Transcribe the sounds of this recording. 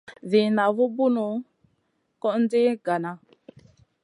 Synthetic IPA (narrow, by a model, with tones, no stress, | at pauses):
vi˨na˨vu˦bu˦nu˨ | kɔ˦ʔn̩˦di˦ɡa˨na˨